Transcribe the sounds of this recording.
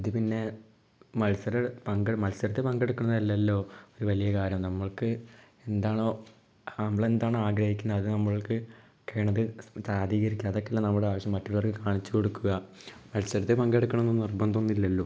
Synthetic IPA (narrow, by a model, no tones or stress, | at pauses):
iðɨpinːe̞ | mɐlsɐɾɐpɐŋɡemɐlsɐɾɐt̪ːepɐŋɡe̞ɽukːuɳnːɐðɐlːɐlːo̞ːoɾuʋɐlijɐkaːɾjɐmnɐmːɐɭkɨ | e̞nd̪aːɳo̞ː | ɐmːɐɭend̪aːɳɨaːɡɾɐhikʲːunːɐːðɨnɐmːɐɭkɨ | kɐjɳɐðɨt͡ɕaːd̪ʱiːɣɐɾikʲːɐðokːelːanɐmːuɽeaːʋɐɕjɐmːɐtːuɭʋɐrkːɨkaːɳit͡ɕːuko̞ɽukːuɣɐ | mɐlsɐɾɐt̪ːepɐŋɡeɽukːuɳɐmnːonirbɐnd̪ɐonːilːɐlːo